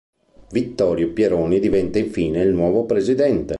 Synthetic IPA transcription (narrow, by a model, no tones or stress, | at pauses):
vit̪ːɔːɾjopjeɾoːnid̪ivɛnt̪aiɱfiːneilnwɔːvopɾezid̪ɛnt̪e